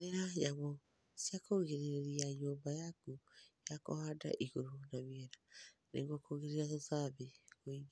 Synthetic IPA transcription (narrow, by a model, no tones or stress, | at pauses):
eɾajaβo | sjakoɣeɾiɾeɾiaɲoːmbajakujako̰hada̰ʔiɣoɾonaβiɛɾa | nḛŋɡokoɣeɾiɾatosaβeɣoiɲ